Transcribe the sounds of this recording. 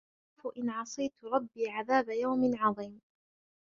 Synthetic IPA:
fʊʔɪnʕɑsˤɨjt̪ɾˤɑbːiːʕaðaːbajawmɪnʕɑðˤiːm

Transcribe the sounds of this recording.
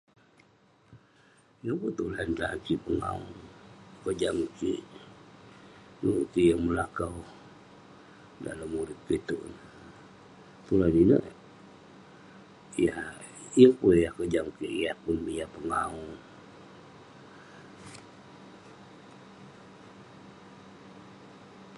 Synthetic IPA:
jəŋput̪ulanla̰kipəŋa̰ṵ | kəd͡ʒamkḭʔ | nukijəŋməlakaw | da̰ləmːuɾɪt̪̚kit̪uʔn | t̪ulaninə̰ʔ | ja | jəpunjahkəd͡ʒamkiʔiahpunbijapəŋau

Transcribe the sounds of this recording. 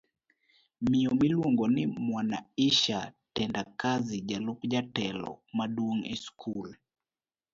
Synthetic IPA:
miɔmilwoŋɡɔnɪmwanaiʃatɛndakazid͡ʒalukd͡ʒatɛlɔ̰madwoŋɛ̰skʰul

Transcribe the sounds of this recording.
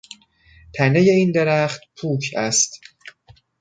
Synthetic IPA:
t̪ʰæne̞je̞ind̪eɾæχt̪pʰuːkʰæst̪

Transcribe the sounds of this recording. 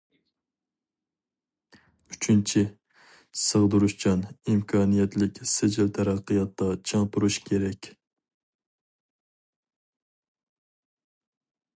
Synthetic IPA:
yt͡ʃʰynt͡ʃʰi | səʁd̪uɾuʃt͡ʃʰɑnimkʰɑnijɛt̪lɪkʲsɪd͡ʒɪlt̪ʰæɾæqːɨjɑt̪ːɑt͡ʃʰɑŋpuɾuʃkʲʰeɾɛkʲ

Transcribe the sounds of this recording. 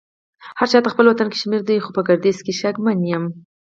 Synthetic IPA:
haɾt͡ʃɑt̪əxpəlwat̪anke̥ʃmeɾd̪ajxopəɡaɾd̪izkeʃaɡmanjəm

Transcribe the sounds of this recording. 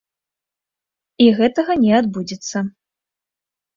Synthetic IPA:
iɣɛt̪ɐɣɐnʲɛad̪bud͡zʲit̪sːɐ

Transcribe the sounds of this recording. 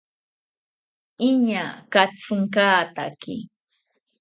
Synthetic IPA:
ɪɲakat͡sɨŋkaːt̪akɪ̰

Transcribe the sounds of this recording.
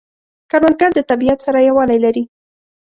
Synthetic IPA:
kaɾwan̚ɡaɾd̪ət̪abijat̪saɾajawɑlajlaɾi

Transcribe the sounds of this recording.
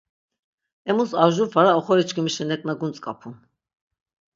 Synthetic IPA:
ɛmusaʒuɾfaɾaɔχɔɾit͡ʃʰɡəmiʃɛnɛkʼnaɡunt͡sʼkʼapʰun

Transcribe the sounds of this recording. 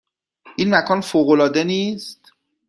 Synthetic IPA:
ʔiːnmækʰɒːnfoːɣolɒːd̪e̞niːst̪

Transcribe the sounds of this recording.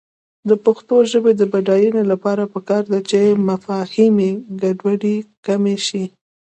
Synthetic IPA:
d̪əpaxt̪oʒəbed̪əbaɖɑjunolapɑɾapəkɑɾd̪at͡ʃemafɑhimeɡaɖwaɖikameʃi

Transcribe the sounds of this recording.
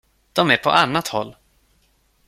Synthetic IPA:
d̪̥ɔmæɾpʰɔ̰ʔanːat̪hɔ̰lː

